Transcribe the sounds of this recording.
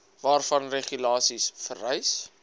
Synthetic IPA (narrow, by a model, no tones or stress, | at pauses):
vɑːrfɐnreχylɑːsisfərɛjs